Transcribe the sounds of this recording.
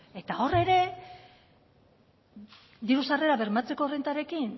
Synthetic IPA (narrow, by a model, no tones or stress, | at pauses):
e̞t̪ao̞re̞ɾe̞ | d̪iɾusare̞ɾaβe̞ɾmat͡se̞ko̞rent̪aɾe̞kin